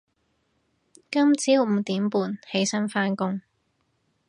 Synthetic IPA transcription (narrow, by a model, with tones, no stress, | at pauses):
kɐ˥mt͡siː˨˥wm̩˨˧˩t̪iː˨˥mpuː˨˩nhe˨˥jsɐ˥nfaː˥nkʊ˥ŋ